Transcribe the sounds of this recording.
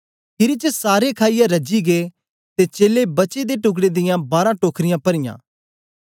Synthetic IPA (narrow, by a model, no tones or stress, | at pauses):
pʰɪɾit͡ʃəsaːɾekʰaːijãɾɐd͡ʒiɡeː | t̪et͡ʃeːlebɐt͡ʃed̪eʈʊɡɽed̪ɪjãbaːɾãːʈoːkʰɾɪjãːpɐɾɪjã̰ː